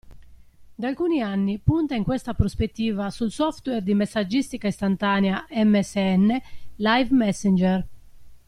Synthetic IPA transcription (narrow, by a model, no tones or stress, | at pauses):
d̪alkuːnianːipunt̪aiŋkwɛst̪apɾospet̪ːiːvasulsɔft̪wɛrd̪imesːad͡ʒːist̪ikaist̪ant̪aːnɛaʔɛmːɛsːeɛnːelajvmɛsːɛnd͡ʒɛr